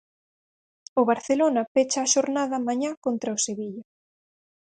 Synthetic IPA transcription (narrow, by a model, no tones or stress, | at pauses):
ʊβaɾθelonɐpet͡ʃaːʃoɾnaðɐmaɲakont̪ɾaoseβiʎɐ